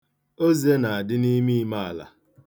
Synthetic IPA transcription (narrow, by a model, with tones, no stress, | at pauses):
o˦zi˨e˦na˨a˨dɪ˦ni˦mi˦i˦ma˦a̰˨la̰˨